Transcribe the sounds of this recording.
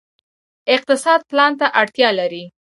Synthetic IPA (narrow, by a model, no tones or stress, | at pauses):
ɪq̚t̪ɪsɑd̪̚plɑnt̪aʔaɽt̪jɑlaɾi